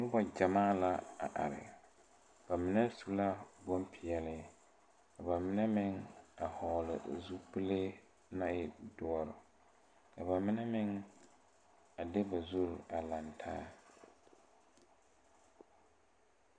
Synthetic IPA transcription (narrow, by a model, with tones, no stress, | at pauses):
nʊ˦ba˨d͡ʒa˨maː˦la˨a̰˨ʔa̰˨ɾɪ̰˨ | b̥a˨mɪ˨nɛ˦su˦la˦bo˦mpʰɪ˨jɛ˦lɪ˦ | ka˨ba˨mɪ˦nɛ˦mɪ˦ŋa˨hɔ˨lɪ̰˨zu˦pɨ˦le˦ | na˦ɪ˨dʊ˦ɔ˦ɾɪ˨ | ka˨ba˨mɪ˦nɛ˦mɪ˦ŋ | a˨de˦ba˨zu˦ɾa˨la˨ntʰaː˦